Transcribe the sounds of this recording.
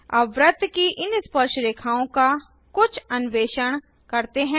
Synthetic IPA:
ɐʋɾət̪kiʔɪnspəɾʃɾeːkʰaːõka | kʊt͡ʃʰɐnʋeːʃəɽ̃ | kɐɾt̪eɦɛ̃ː

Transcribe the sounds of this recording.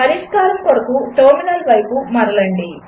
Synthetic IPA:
ɐɾiʂkaːɾɐmkɔɽɐkuʈɐɾminɐlʋɐjpumɐɾɐlɐɳɖi

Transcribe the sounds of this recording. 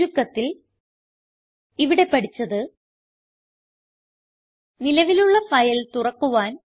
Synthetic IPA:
ukːɐt̪ːil | iʋiɽe̞pɐɽit͡ɕːɐðɨ | nilɐʋiluɭːɐfɐjɐlt̪urɐkːuʋaːn

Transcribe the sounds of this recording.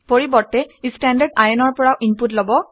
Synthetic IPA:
poɹibɔɹtːɛistandaɹɖajɔnɔɹpɔɹawʔinputlɔbɔ

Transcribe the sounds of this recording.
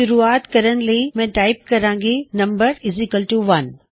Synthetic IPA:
ʊɾuaːt̪kɐɾəñɪ̆lemɛ̃ːʈaːɪp̚kɐɾãːŋɡenɐ̃mbəɾɪzikəlʈuʋɐn

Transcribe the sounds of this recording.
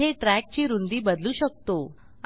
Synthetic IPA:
eʈɾæk̚t͡ɕiːɾund̪iːbəd̪luːɕək̚t̪o

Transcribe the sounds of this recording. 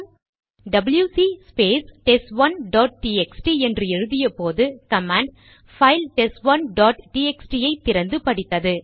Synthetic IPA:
ɖɐbɐljuːsispeːsʈɛsʋɐnɖɔːʈ̚ʈiːɛksʈiɛndrɯɛɻɯðɪjɐpoːðɯkɐmaːɳɖ | fɐɪlʈɛsʋɐnɖɔːʈʈiːɛksʈijɐɪt̪ːɪɾɐnd̪ɯpɐɽɪt̪ːɐðɯ

